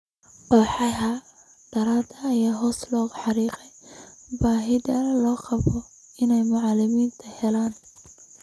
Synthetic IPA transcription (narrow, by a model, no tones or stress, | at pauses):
qɔːħɑɦɐ | ɖ̥ɐɾaːd̪ɐːjaːɦɔːslɔːɣʊħɑɾiːqɛjbaːɦɪðɐlɔːqɑβɔ | ɪnɛjmʊʕɑlɪmiːnt̪ʰɐhɛlaːn